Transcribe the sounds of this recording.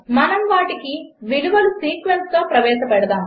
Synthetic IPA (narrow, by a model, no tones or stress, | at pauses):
mɐnɐmʋaːʈikiʋiluʋɐlusiːkʋenst̪o̞ːpɾɐʋɛːʃɐpɛɽɐd̪aːm